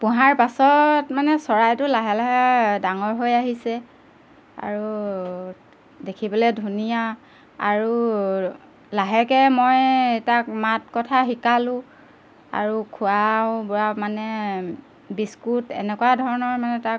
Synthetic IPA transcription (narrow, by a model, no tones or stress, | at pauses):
pʊɦaɹpasɔtmanɛsɔɹajtʊlaɦɛlaɦadaŋɔɹɦojaɦisɛ | a̰ɹu | dekʰibɔlɛdʱunija | aɹu | laɦɛkɛmɔjtak̚mat̚kɔtʰaxikalʊ̃ | a̰ɹukʰʊawbɔɹamanɛ | biskutɛ̰nɛkuadʱɔɹɔnɔɹmanɛtak